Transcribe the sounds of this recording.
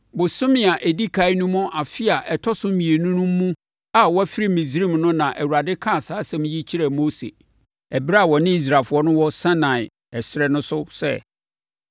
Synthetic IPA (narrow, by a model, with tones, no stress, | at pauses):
bʊ˨sʊ̃˦mɪ̃˨a˨ʔæ˨di˦kʰa˨˦ɪ˦nũ˦mʊ̃˦ʔa˨fɪ˦a˨ʔɛ˨tʰɔ˦sʊ˦mĩ˨e˨nʊ̃˦nũ˦m̩ː˦ũ˦ | a˨wɔ˦æ˦fi˦ɾi˦mĩ˨zɾĩ˦˨mnʊ̃˦nã˨ʔɛ˨wu˨ɾa˨dɪ˦kʰã˦˨saː˨˦sɛ̃˦m̃˦ji˦t͡ɕʰi˦ɾa˨moː˦sḛ˨ | ɛ˨bɾa˦˨wɔ˨nɪ̃˦i˦s̬ɾa˨fʊ˨˦ɔ˦nʊ̃˦wɔ˦sã˦nã˨ɪ˨ | ɛ˨sɾɛ˦nʊ̃˦sʊ˦sɛ̰˦˨